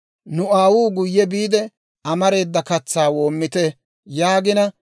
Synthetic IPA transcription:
nʊaːwuːɡʊjːɛbiːd̪ɛ | ɐmɐɾe̞ːd̪ːɐkɐt͡sːaːwo̞ːmːɪt̪ɛ | jaːɡɪnɐ

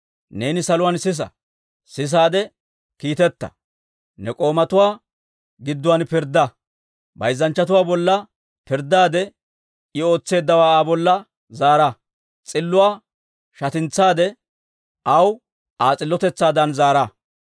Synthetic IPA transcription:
ne̞ːnɪsɐlʊwaːnsɪs̬ɐ̰ | sɪs̬aːd̪ɛ | kiːt̪ɛt̪ːɐ̰ | nɛkʼo̞ːmɐt̪ʊwaː | ɡɪd̪ːʊwanpɪɾd̪ːɐ | bɐ̰jzːɐnt͡ʃːɐt̪̬ʊwaːbɔlːɐ | pɪɾd̪aːd̪ɛ | ɪo̞ːt͡sːe̞ːd̪ːɐwaːaːbɔlːɐ | zaːɾɐ | t͡sʼɪlːʊwaː | ʃɐt̪ɪnt͡saːd̪ɛ | ʔɐw | ʔaːt͡sʼɪlːɔt̪ɛt͡sːaːd̪ɐnzaːɾɐ

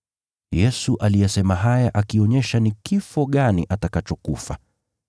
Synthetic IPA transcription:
jɛsuʔalijasɛmaɦajaʔakiɔɲɛʃanikifɔɠaniʔatakat͡ʃɔkufa

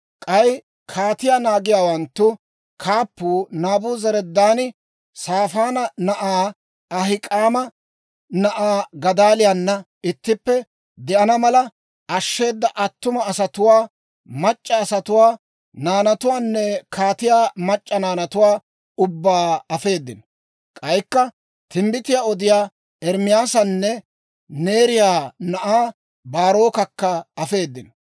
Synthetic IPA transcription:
kʼɐj | kʰaːt̪ɪjaːnaːɡɪjaːwɐnt̪ːʊ | kʰaːpːuːnaːbuːzɐɾɛd̪ːaːnɪ | saːfaːnɐnɐʔaː | ɐɦɪkʼaːmɐ | nɐʔaːɡɐd̪aːlɪjanːɐ | ʔɪt̪ːɪpːɛ | d̪ɛʔɐnɐmɐlɐ | ɐʃːe̞ːd̪ːɐʔɐt̪ːʊmɐːsɐt̪ʊwaː | mɐt͡ʃʼːɐːsɐt̪ʊwaː | naːnɐt̪ʊwaːnːɛkʰaːt̪ɪjaːmɐt͡ʃʼːɐnaːnɐt̪ʊwaː | ʊbːaːɐfe̞ːd̪ːɪn | kʼɐjkːɐ | t̪ɪmbɪt̪ɪjaːɔd̪ɪjaː | ɛɾmɪjaːsɐnːɛ | ne̞ːɾɪjaːnɐʔaː | baːɾo̞ːkɐkːɐɐfe̞ːd̪ːɪn

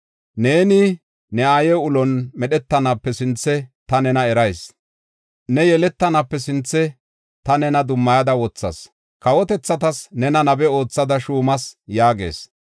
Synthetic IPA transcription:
ne̞ːnɪ | nɛaːjɛʊlɔnmɛɗɛt̪ːɐnapːɛsɪnt͡sːɛt̪ɐnɛnɐɛɾɐjs | nɛjɛlɛt̪ːɐnɐpːɛsɪnt͡sːɛ | t̪ɐnɛnɐd̪ʊmːɐjɐd̪ɐwɔt͡sːɐ̰s | kɐwɔt̪ɛt͡sːɐt̪ɐsnɛnɐnɐbɛo̞ːt͡sːɐd̪ɐʃuːmɐsjaːɡe̞̰ːs

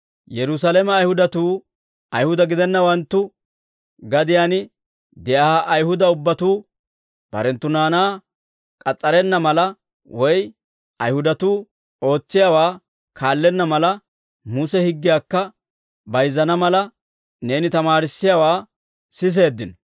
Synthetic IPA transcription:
jɛɾʊs̬alɛmɛːjhʊd̪ɐt̪uː | ɐjhʊd̪ɐɡɪd̪ɛnːɐwɐnt̪ːʊ | ɡɐd̪ɪjaːnɪ | d̪ɛʔaaʔɐjhʊd̪ɐʊbːɐt̪uː | b̥ɐ̰ɾɛnt̪ːʊnaːnaː | kʼɐt͡sʼːɐɾɛnːɐmɐlɐ | wɔj | ɐjhʊd̪ɐt̪uː | o̞ːt͡sːɪjawaː | kʰaːlːɛnːɐmɐlɐ | musɛhɪɡːɪjaːkːɐ | bɐjzːɐnɐmɐlɐ | ne̞ːnɪt̪ɐmaːɾɪsːɪjaːwaː | sɪs̬e̞ːd̪ːɪnɔ

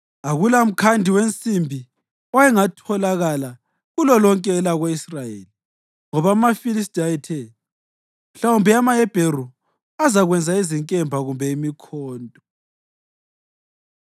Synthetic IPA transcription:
aɣulaum̩kʰandʱiwent͡sʼimbʱi | ɔwaɛŋatʰɔlaɣala | ɣulɔlɔŋkʼɛːlaɣweisrajeːli | ŋɔβamafilis̬tʼaɛtʰɛ | m̩ɬaumbʱɛamaɛb̥ʱeru | azaɣwɛnd͡zʱaiziŋkʼɛmbʱaɣumbʱɛimikʰɔːntʼɔ

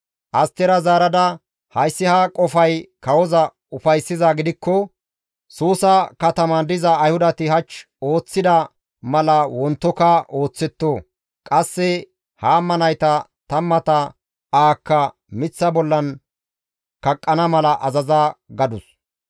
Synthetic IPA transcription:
ʔɐst̪ːɛɾɐzaːɾɐd̪ɐ | hɐjsːɪhakʼɔfɐjkɐwɔzɐ | ʊfɐjsːɪzaɡɪd̪ɪkːɔ | suːsɐkɐt̪ɐmɐnd̪ɪzɐːjhʊd̪ɐt̪ɪɦɐt͡ʃː | o̞ːt͡sːɪd̪ɐ | mɐlɐwɔnt̪ːɔkɐʔo̞ːt͡sːɛt̪ːoː | kʼɐsːɛ | haːmːɐnɐjt̪ɐt̪ɐmːɐt̪ɐ | aːkːɐ | mɪt͡sːɐbɔlːɐn | kɐkʼːɐnɐmɐlɐʔɐzɐzaːɡɐd̪ʊs

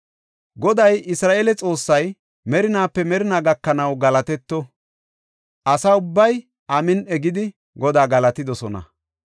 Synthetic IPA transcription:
ɡɔd̪ɐjɪsɾaːʔeːlɛt͡sʼo̞ːsːɐj | mɛɾɪnaːpːɛmɛɾɪnaːɡɐkːɐnɐwɡɐlɐt̪ɛt̪ːɔ | ʔɐsaːʊbːɐj | ʔɐmɪnɛɡɪd̪ɪ | ɡɔd̪aːɡɐlɐt̪ɪd̪ɔsɔnɐ̰

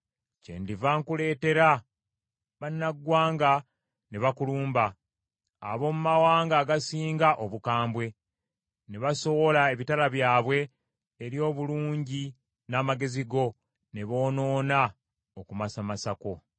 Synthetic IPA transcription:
ce̞̰ːndivaŋkule̞ːte̞ɾa | βanːaɡwaːŋɡa | neβakuluːmba̰ː | βo̞mumawaːŋɡaːɡasiːŋɡaʔoβukaːmbwe̞ | neβaso̞wo̞lae̞βitalaβjaːβwe̞ː | ɾjo̞ːβuluːɲɟi | naːmaɡe̞ziɡo̞ | ne̞βo̞ːno̞ːna | okumasamasako̞

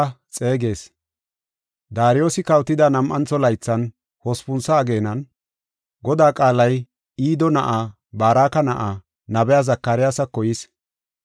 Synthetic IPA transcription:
t͡sʼe̞ːɡe̞ːs | d̪aːɾɪjo̞ːsɪkɐwt̪ːɪd̪ɐnɐmʔɐnt͡sːɔlɐjt͡sːɐn | hɔspʊnsɐːɡe̞ːnɐn | ɡɔd̪aːkʼaːlɐj | iːd̪ɔnɐʔaː | baːɾaːkɐnɐʔaː | nɐbɛjazɐkːɐɾɪjasɐkːɔjɪs

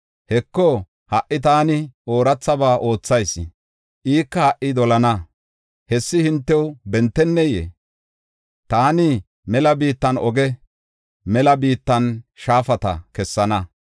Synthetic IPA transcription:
hɛkːɔ | hɐʔːɪt̪̬aːnɪo̞ːɾɐt͡sːɐbaːʔo̞ːt͡sːɐjs | ʔiːkːɐhɐʔːɪd̪ɔlɐnɐ | hɛsːɪhɪnt̪ːɛwbɛnt̪ːɛnːɛjḛ | t̪aːnɪ | mɛlɐbiːt̪ːɐnɔɡɛ | mɛlɐbiːt̪ːɐnʃaːfɐt̪ɐ̰kɛsːɐnɐ

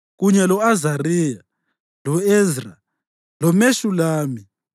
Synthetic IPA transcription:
ɣuɲɛlɔazariːja | lɔezra | lɔmeʃulaːmi

